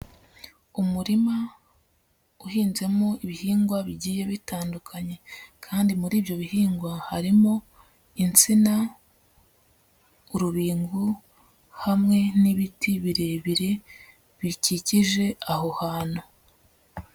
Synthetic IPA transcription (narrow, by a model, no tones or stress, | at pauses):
umuɾima | uhiːnze̞mo̞iβihiːŋɡwaβiɟiːje̞βitaːndukʰaɲe̞kʰaːndimuɾiːbjo̞βihiːŋɡwahaɾimo̞ | int͡sina | uɾuβiːŋɡu | hamŋe̞niβitʰiβiɾe̞ːβiɾe̞ | βiciciʒe̞aho̞haːno